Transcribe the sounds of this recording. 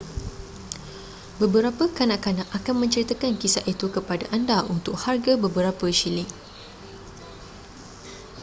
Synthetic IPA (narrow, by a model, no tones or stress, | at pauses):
bəbəɾapəkanãʔkanãʔakanmə̃ɲt͡ʃəɾit̪akankisaʔit̪ukəpadaʔandaʔunt̪ʊk̚harɡabəbəɾapəʃilɪŋ